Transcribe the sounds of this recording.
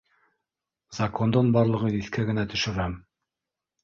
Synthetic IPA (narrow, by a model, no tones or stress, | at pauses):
zɐkond̪ɤnbɑɾlˠɤ̆ʁɤiθkæɡɘ̆næt̪ɵ̆ʃɵ̆ɾæm